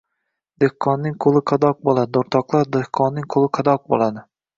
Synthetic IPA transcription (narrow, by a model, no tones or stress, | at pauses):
d̪̥ehqʰːɒnːɪŋqʰolˠɪqʰɑd̪ɒq̚bolˠad̪ɪoɾt̪ʰɒqlˠaɾd̪ehqʰːɒnːɪŋqʰolˠɪqʰɑd̪ɒq̚bo̰lˠad̪ɪ